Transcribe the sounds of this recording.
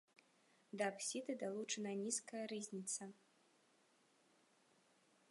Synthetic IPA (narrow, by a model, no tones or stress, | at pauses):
d̪ɐːpsʲid̪ɨd̪alˠut͡ʂɐnɐnʲiskɐjɐɾɨzʲnʲit̪sɐ